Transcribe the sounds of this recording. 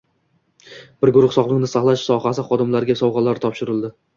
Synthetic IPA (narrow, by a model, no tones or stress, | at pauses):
b̥ɪɾɡʊɾʊχsɒʁlˠɪŋnɪsaχlˠaʃsɒhasɪχɒd̪ɪmlaɾɡʲasɒwʁɑlaɾt̪ʰɒpʃɪɾɪlˠd̪ɪ